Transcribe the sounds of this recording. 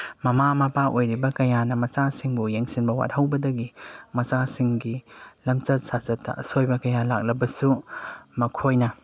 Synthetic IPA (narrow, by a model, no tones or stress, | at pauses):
mɐmamɐpaʔojɾibɐkɐjanɐmɐsasiŋbujeŋsinbɐwa̰t̚hɐwbɐdɐɡimɐsasiŋɡilɐmt͡ʃɐt̚sazɐtːɐ̰ʔɐsojbɐkɐjalak̚lɐbɐsumɐkʰojnɐ